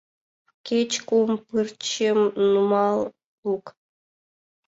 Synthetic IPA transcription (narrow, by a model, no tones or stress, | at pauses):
kʲet͡ɕkumpɨrt͡ɕemnumɑlˠ | uk